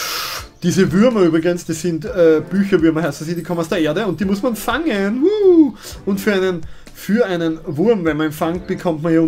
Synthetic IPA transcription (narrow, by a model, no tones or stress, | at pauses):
d̥iːzəvʏɐmɐyːbʁɪɡənsd̥isːɪntɛːb̥yːçɐvʏɐmɐɦaɪstsiːd̥iːkʰɔmənaʊsd̥eːɐʔeːɐdəʊnt̚d̥iːmʊsmanfaŋənu | ʔʊntfyːɐæɪnən | fyːɐæɪnənvʊɐmvɛnmɐnɛmfaŋt̚b̥əkʰɔmtmɐnjaːʊ